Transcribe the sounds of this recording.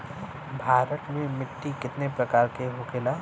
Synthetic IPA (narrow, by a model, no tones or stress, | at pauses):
bʱaːɾət̪mẽmɪʈːikɪt̪nepɾɐkaːɾkeɦoːkelaː